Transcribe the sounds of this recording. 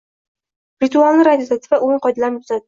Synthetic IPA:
ɾɪt̪ualˠnɪɾad̪ijod̪at̪ʰɪ̥vaʔʊɪɴqʰɒjd̪alanb̪ʰʊzad̪

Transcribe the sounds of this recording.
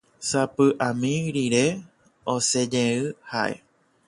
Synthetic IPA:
sapɨʔãmĩɾiɾe̞ | ose̞d͡ʒẽɨhaʔe̞̰

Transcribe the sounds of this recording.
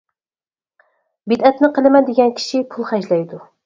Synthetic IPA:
bid̪ɛt̪nɪqʰəlˠɪmɛnd̪eɡʲɛnkʲʰi̥ʃipʰulˠχɛd͡ʒlɛjd̪u

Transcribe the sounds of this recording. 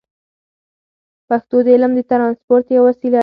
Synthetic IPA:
paxt̪od̪əɪləmd̪ət̪ɾɑnspoɾt̪jawasila

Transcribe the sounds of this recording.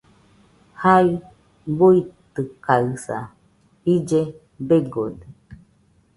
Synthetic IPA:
hai | buit̪ɨkaɯsa̰ | id͡ʒe | beɡod̪e

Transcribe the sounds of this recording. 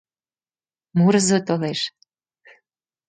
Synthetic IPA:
muɾzot̪oleʃ

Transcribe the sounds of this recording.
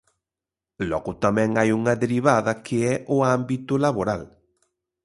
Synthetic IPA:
lɔɣʊt̪amɛ̃ŋajuŋɐðeɾiβ̞aðɐkʰɪɛʔʊambit̪ʊlaβoɾal

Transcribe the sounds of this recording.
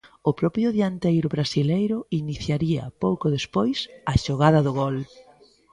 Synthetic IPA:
ʊpɾɔpɾjʊðjant̪ejɾʊβɾasilejɾʊiniθjaɾiɐ̰powkʊðespojsɐʃoɣaðɐðʊɣɔl

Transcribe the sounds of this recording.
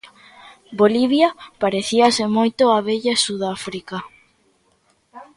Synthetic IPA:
boliβjapaɾeθiɐsɪmojt̪oaβeʎasuðafɾika

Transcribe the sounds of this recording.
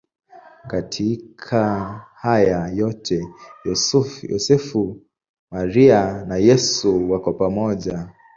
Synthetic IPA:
katʰikʰahajajɔtʰɛjɔsjɔ̰sɛfu | maɾianajɛsuwakwapamɔʄa

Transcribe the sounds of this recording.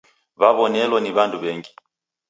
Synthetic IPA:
βaβɔnɛlwɔniβanduβɛŋɡi

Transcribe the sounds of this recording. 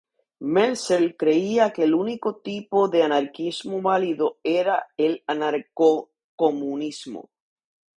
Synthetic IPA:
melselkɾe̞iake̞luniko̞t̪ipo̞ðe̞anaɾkizmoβaliðo̞e̞ɾaelanaɾko | komunizmo̰

